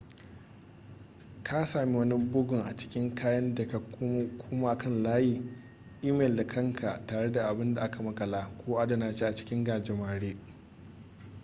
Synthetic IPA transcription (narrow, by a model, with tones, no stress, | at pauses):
kʰa˦saː˨mi˦wɐ˦ni˦bʊ˦ɡʊ˨ŋʔa˨t͡ʃɪ̥˦kʲɪ˦ŋkaː˦jɐ˦nda˨ka˨˦kʰʷʊː˦maː˦˨kɐ˦nlaː˦jiː˦ | ʔiː˦mɛː˨lda˨kʰɐ˦˨ŋkʰa˨taː˨ɽe˦da˨ʔa˨bɪ˦nda˨ʔa˦ka˨mɐ˦kɐ˨laː˦kʷoː˦ʔa˦da˨naː˨t͡ʃeː˦ʔa˨t͡ʃɪ̥˦kʲɪ˦ŋɡaː˨d͡ʒɪ˨maː˨ɽeː˦